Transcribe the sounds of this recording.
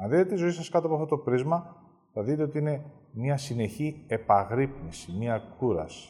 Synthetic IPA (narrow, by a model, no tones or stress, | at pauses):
ɐnðitet̪izo̞isɐskɐt̪oɐpoɐft̪ot̪opɾizmɐ | θɐðit̪e̞o̞t̪iine̞mɲɐsine̞çie̞pɐɣɾipnisimiɐkʰuɾɐ̰si̥